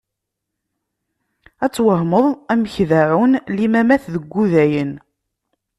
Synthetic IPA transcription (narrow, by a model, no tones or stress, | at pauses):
æt͡sːwəhməðˤæməçðaʕunlimæmæθðəɡʷːuðæjən